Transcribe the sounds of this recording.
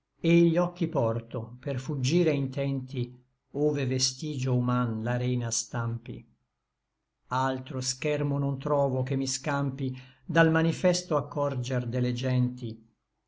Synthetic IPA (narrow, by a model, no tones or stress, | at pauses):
eiʎːɔkːipɔrt̪operfud͡ʒːiːɾeint̪ɛnt̪i | oːvevest̪iːd͡ʒoumanlaɾɛːnast̪ampḭ | alt̪ɾoskɛrmonont̪ɾɔːvokemːiskampid̪almanifɛst̪oakːɔrd͡ʒerd̪eled͡ʒɛnt̪i